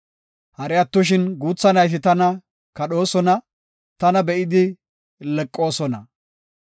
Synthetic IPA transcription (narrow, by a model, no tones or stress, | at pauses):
hɐɾɛɐt̪ːʊʃ̬ɪnɡuːt͡sːɐnɐjt̪̬ɪt̪ɐnɐ | kɐɗo̞ːsɔnɐ | t̪ɐnɐbɛʔɪd̪ɪ | lɛkʼːo̞ːsɔnɐ